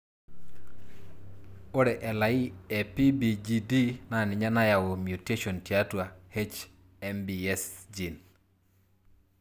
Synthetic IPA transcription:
o˦ɾɛ˨ʔɛ˨la˨i˦ɛ˨pi˦bi˨d͡ʒi˨di˦na˦˨nɪ˨ɲa˦na˦ja˨wo˨mju˨te˦ʃo˨nti˨a˦twa˨he˦t͡ʃ | ɛ˦mbi˨ɛ˦sd͡ʒi˨n

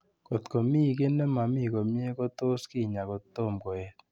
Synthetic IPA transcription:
ko˨tko˨mi˦˨k̬e˦ne˦ma˨mi˦˨ko˨mi˦e˦ko˦to˦skɪ˦˨ɲa˨ko˨t̪o˦˨mko˨ɛ˨t

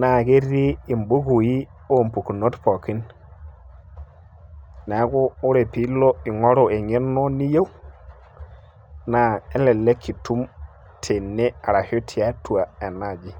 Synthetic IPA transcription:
na˨ɡe˦ɾiː˦˨mbu˦ɡu˨ji˦ | o˦˨mpu˨ku˨no˦tpo˨ki˦n | na˨˦ɡoː˦ɾe˨pi˦lo˦i˨ŋo˦ɾo˨e˨ɲe˦no˦ni˦je˦w | na˨e˦le˨le˦kʰi˨tʰu˦m | tʰe˨nːe˦a˨ɾa˨ho˦tʰi˨a˦tʰu˨a˨e˨na˨d͡ʒi˦

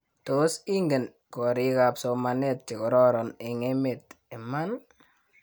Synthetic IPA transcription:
to˨˦si˦ŋɡe˨n | kɔ˨ɾi˦ka˨pso˨ma˨ne˦˨t̚t͡ʃe˨kɔ˨ɾɔ˦ɾɔ˨ne˨ŋe˦me˨te˨ma˦n

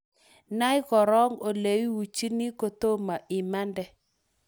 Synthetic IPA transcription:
na˦i˦ɣɔ˨ɾɔ˦ŋo˨le˨wi˦wu˨t͡ʃi˦ni˦ko˨to˦ma˨ʔɪ˨ma˦ndɛ˦

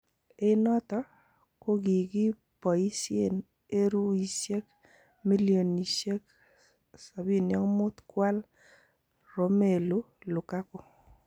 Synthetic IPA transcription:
e˦nɔ˦t̪ɔ˦ | ko˦ɡi˨ɡi˦ | pɔ˨i˦sie˨n | e˦ɾu˦i˨sje˦k | mi˦ljo˨ni˨ʃje˦k | sa˨bi˦˨njɔ˦ŋmʊ˦t̪kwa˦l | ɾo˨me˨lu˦ | lʊ˨ka˦ko˨

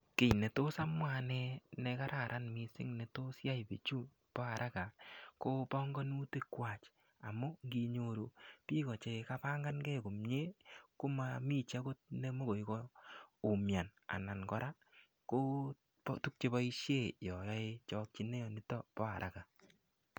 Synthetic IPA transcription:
kɪ˨ɲne˨to˦sa˦mwa˨nɛ˦nɛ˧ka˦ɾʔa˨ɾʔa˦nmi˧sɪ̰˦ŋne˨to˦sja˦i˨pḛ˨t͡ʃu˦ | pɔ˦a˨ɾʔa˦ka˨ko˦pɔ˦ŋɡɔ˦nu˦te˦kwa˨t͡ʃ | a̰˨mu˦ŋɡi˧ɲo˦ɾo˨pi˦kɔ˨t͡ʃe˧ka˦pa˦ŋɡa˦nkɛ˦ku˨mɲe˦ku˦ma˦mi˦t͡ʃa˦ko˦t̚ne˦mo˦ko˨i˨kɔ˦u˨mja˨na̰˨na˨nkɔ˦ɾʔa˦ | ko˦ | ptu˦k̚t͡ʃe˦pɔ˦i˦ʃje˦˨jɔ˨jɔ˦e˦t͡ʃɔ˦k̚t͡ʃi˦ne˦jɔ˨ni˦tɔ˦pɔ˦a̰˨ɾʔa̰˨ka˨

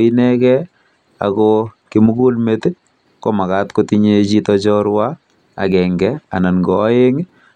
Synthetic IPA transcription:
i˦nɛ˦kɛ˦ | a̰˨kɔki˦mu˦ku˦lme˦t | ko˦ma˨ka˦tko˦ti˦ɲe˦t͡ʃi˦tɔt͡ʃɔ˦ɾwa˦ | a̰˨kɛ˨ŋɡɛ˦a̰˨na˨nɡɔː˨˦e˦ŋ

